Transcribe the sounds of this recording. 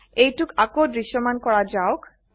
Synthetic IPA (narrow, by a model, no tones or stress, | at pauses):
ejʈukakod̪ɾiʃːomankɔɽad͡ʑaok